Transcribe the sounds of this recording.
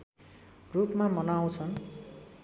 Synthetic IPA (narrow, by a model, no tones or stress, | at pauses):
rupmamʌnaw̃t͡sʰʌn